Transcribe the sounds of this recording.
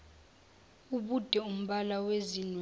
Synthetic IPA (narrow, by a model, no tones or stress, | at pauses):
uɓud̥ʱɛum̩ɓalawezinw